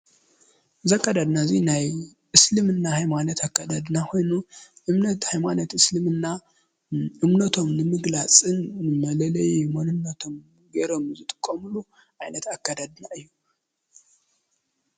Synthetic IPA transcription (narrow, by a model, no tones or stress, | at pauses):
zɐkːad̪ad̪nazinajʔɨslɨmɨnːahajmanɐt̪akːad̪ad̪nako̞jnuʔɨmnɐt̪hajmanɐt̪ɨslɨmɨnːa | ʔɨmnɐt̪ʰo̞mnɨmɨɡlat͡sʼɨnmɐlɐlɐjmonɨnːɐt̪ʰo̞m | ɡeɾo̞mzɨt̪ʼɨ̥kʼːɐmulu | ʔajnɐt̪akːad̪ad̪naɨjːu